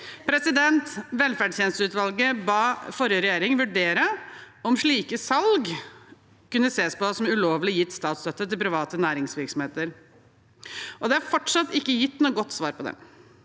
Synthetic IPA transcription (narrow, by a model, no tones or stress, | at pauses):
pʰɾɛsɪd̪ɛnt̪ʋɛlfæɖʂjeːnst̪əʉːt̪ʋɑlɡəbɑːfɔɾjəɾɛjeːɾɪŋʋʉɖeːɾə | ɔmʂɭiːkəsɑlɡ | kʉnːəseːspɔsɔmʉloːʋlɪjɪt̪ːst̪ɑːt̪st̪œt̪ːət̪ɪlpɾɪʋɑːt̪ənæːɾɪŋsʋɪɾksɔmheːt̪əɾ | ʔɔd̪ɛɑɾfɔʈʂɑt̪ːɪkːəjɪt̪ːnuːəɡɔt̪ːsʋɑːɾpɔd̪ɛ̰m